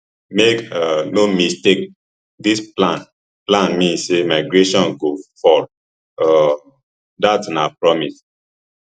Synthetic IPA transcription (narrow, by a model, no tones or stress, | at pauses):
mekanomistek̚ | displãn | plãnmĩnsemaɪɡɹeʃɔ̃nɡofɔ | datnapɹɔmis